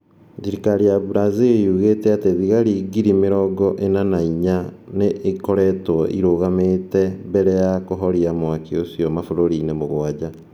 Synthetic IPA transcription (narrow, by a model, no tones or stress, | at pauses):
ðiɾikaɾiaβuɾazejuɣetɛateðiɣaɾiɡiɾimeɾɔɡɔʔenanaiɲa | neʔekoɾɛtɔʔḭɾoɣameːtɛbɛɾɛjakoɦɔɾiamwakeosiɔmafoɾoɾinemoɣwad͡ʑa